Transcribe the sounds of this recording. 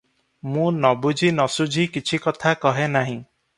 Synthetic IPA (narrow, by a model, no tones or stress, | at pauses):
mũnɔbud͡ʒʱinɔsud͡ʒʱikit͡ʃʰikɔt̪ʰakɔɦenaɦĩ